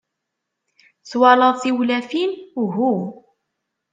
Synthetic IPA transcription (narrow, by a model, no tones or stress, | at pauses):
θwɑləðˤθiwlæfinɦu